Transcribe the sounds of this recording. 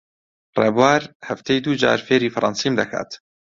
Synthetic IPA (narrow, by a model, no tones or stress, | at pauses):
rḛːbwaːɾhɐft̪ʰejd̪uːd͡ʒa̰ːɾfeːɾiːfɨɾˤʔɑ̰nsiːmd̪ɐkʰa̰ːt̪